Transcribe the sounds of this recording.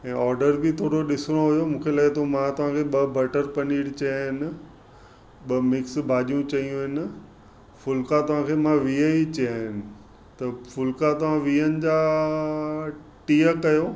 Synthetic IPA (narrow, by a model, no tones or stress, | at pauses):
ɛ̃ːɔːɾɖəɾbʱɪt̪ʰoːɽoɗɪsɽ̃oɦʊjomũːkʰeːlaːet̪ʰomãt̪ɐʋ̤ãkʰeɓɐbɐʈəɾpɐniːɽt͡ɕɐjaɦɪnɪ̆ | ɓɐmɪksbʱaːʄijũt͡ɕɐiũɦɪnɪ̆ | fʊlkat̪ɐʋ̤ãkʰeːmãʋiəit͡ɕɐjaɦɪnɪ̆ | t̪ɐfʊlkat̪ɐʋ̤ãʋiːənɪ̆d͡ʑaː | ʈiːəkɐjoː